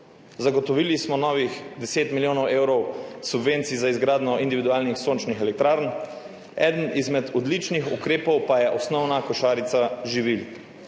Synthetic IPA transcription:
zaɡɔt̪ɔʋilismɔnɔːʋixd̪ɛseːt̪miljoːnɔwʔeːwɾɔwsubʋent̪sizaizɡɾaːd̪nɔʔind̪iʋid̪uaːlnixsoːnt͡ʃnixɛlɛk̚t̪ɾaːɾn | ɛ̰ːd̪ənizmɛd̪ɔd̪lit͡ʃnixṵkɾeːpɔwpajɛʔɔsnɔwnakɔʃaːɾit̪saʒiʋil

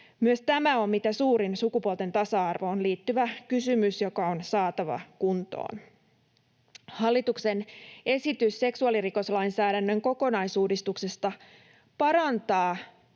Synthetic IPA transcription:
myøst̪æmæo̞mmit̪æsuːɾinsukupuolt̪e̞nt̪ɑsɑɑrʋo̞ːnliːt̪ːyʋækysymysjo̞kɑonsɑːt̪ɑʋɑ̰kunt̪o̰ːn | hɑlːit̪ukse̞ne̞sit̪ysːe̞ksuɑliriko̞slɑjnsæːdænːø̞ŋko̞ko̞nɑjsuːdist̪ukse̞st̪ɑ | pɑɾɑnt̪ɑː

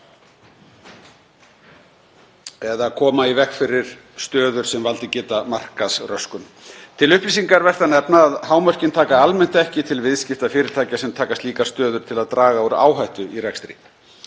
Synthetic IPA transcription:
ɛðakʰɔːmaivɛkfɪɾɪɾ̥ | st̪œːðʏɾ̥sɛmvalt̪ɪcɛːt̪amar̥kasrœskʏm | t̪ʰɪlʏhpliːsiŋkaɾvɛr̥t̪anɛpnaːðhaːwmœr̥cɪnt̪ʰaːkaalmɛn̥t̪ɛhcɪt̪ʰɪlvɪðscɪft̪afɪːɾɪɾ̥t̪ʰaːjcasɛmt̪ʰaːkast̪liːkast̪œːðʏɾ̥t̪ʰɪlaðt̪ɾaːɣaɔɾa̰ːwɦajht̪ʏirɛkst̪ɾḭ

